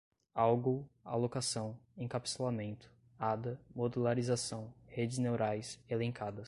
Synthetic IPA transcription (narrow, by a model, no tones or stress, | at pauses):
awɡoa̰lokasɐ̃w̃ẽkapi̥selamẽnt̪ʊ̥ | ad̪ɐmod̪ulaɾizasɐ̃w̃hed͡ʒɪznewɾajselẽŋkad̪ɐs